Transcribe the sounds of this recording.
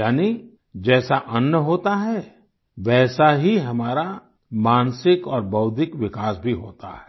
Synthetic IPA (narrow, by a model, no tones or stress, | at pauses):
jaːni | d͡ʒɛːsaʔɐnːjəɦoːt̪aɦɛ | ʋɛːsaɦiɦɐmaːɾa | mãːnsɪkɔːɾbɐʊd̪ʱɪkʋɪkaːsbʱiɦoːt̪a̰ɦɛ